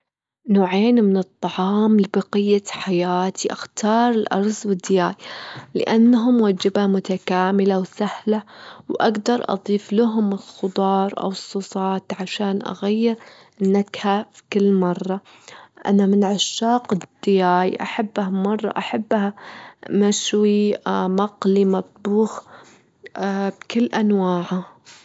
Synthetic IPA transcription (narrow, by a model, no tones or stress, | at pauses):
noːʕeːnmɪnɨt̪ˤːɑʕɑːmlɪbɑqɪjːaħajaːt̪ʰiʔa̰xt̪ɑːɾˤɪlʔɑ̰ɾˤswɪd̪ːɪjaːjlɪ̰ʔanːaɦʊmwad͡ʒɪbamʊt̪akaːmɪlawsahlawʔaɡd̪ɑɾˤʔɑ̰d̪ˤiːflaɦʊmɪlxʊd̪ˤɑːɾˤʔa̰wɨsˤːuːsˤɑːt̪ʕaʃaːnʔa̰ɣajːɪɾ | ʔɪnːakhafi̥kɪlːmɑrˤːɑ | ʔa̰namɪnʕaʃːaːqɪd̪̥ːɪjaːjʔa̰ħabːhamɑrˤːɑ̰ʔaħabːamaʃwimɑqlimat̪̚ˤbuːx | bkɪlːʔanwaːʕa